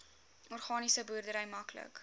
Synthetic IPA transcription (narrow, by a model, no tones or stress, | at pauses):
ɔrχɑːnisəbuːrdəɾɛjmɐklə̰k